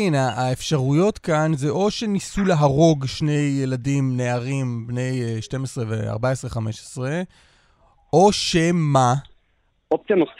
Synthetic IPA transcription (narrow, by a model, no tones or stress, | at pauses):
inaːefʃaʁujo̞tkanzeʔo̞ʃe̞nisuleɦaʁo̞ɡʃne̞jːeladimne̞aʁimbnejʃte̞mesʁevḛa̰ʁbaesʁe̞χame̞ʃe̥sʁe | o̞ʃema | op̚t͡sjanos